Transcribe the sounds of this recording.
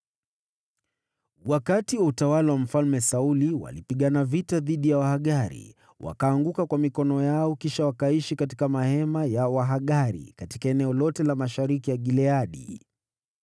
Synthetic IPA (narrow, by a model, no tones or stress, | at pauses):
wakatiwautawalawam̩falmɛsauliwa̰lipiɠanavitaðiɗijawahaɠaɾḭ | wʔa̰kaːŋɡukakwamikɔnɔjaɔkiʃawakaiʃikati̥kamahɛmajawaɦaɠaɾḭkati̥kaɛnɛɔlɔtɛlamaʃaɾikijaɠilɛaɗḭ